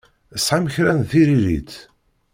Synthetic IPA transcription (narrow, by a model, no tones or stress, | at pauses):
əsħaməçɾænθiɾiɾḭt̪